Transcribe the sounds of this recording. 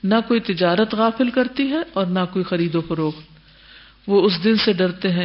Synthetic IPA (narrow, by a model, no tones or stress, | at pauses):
nakoːit̪ɪd͡ʒaːɾət̪ɣaːfɪlkɐɾt̪iɦɛ̃ɔːɾnakoːixɐɾiːd̪õfɐɾoːxt̪ | ʋoʊs̬d̪ɪnseɖɐɾt̪eɦɛ̃ː